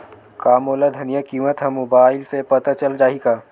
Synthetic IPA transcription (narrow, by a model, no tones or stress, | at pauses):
kaːmoːlad̪ʱɐnijakiːmət̪ɦɐmoːbaːɪlsepɐt̪at͡ʃɐld͡ʒaːɦikaː